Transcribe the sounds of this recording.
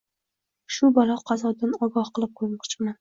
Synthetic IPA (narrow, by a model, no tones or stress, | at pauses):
ʃʊbalˠɑqʰɑzɒd̪anɒɡɒhqɨlˠɪp̚kʰoɾmɑqt͡ʃʰɪman